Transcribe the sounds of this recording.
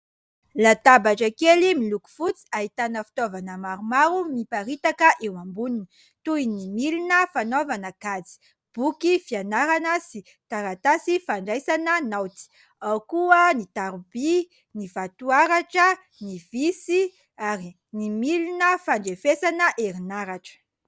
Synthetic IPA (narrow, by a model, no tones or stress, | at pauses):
lat̪abaʈ͡ʂəkelimiluku̥fut͡si̥aɦit̪anəfi̥t̪ovanəmaɾumaɾumipaɾit̪akəʔewambunin | t̪uinimilinəfanovanəkad͡zi̥ | b̥ukifianaɾanəsi | t̪aɾat̪asifaɳɖ͡ʐajsanənawt̪i̥ | awkuənit̪aɾubi | nivat̪uaɾaʈ͡ʂə | nivisi | aɾi | nimilinəfaɳɖ͡ʐefesanəʔeɾinaɾaʈ͡ʂə̥